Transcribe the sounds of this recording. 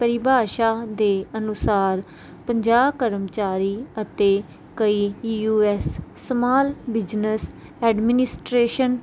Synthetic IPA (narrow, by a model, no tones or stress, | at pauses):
pəɾɪbʱaːʃaːd̪eːənʊsaːɾ | pəɲd͡ʒaːbkəɾəmt͡ʃaːɾiːət̪eː | kəiːuːɛːsːəmaːlbɪd͡ʒnəsɛːɖmɪnɪsʈɾeːʃən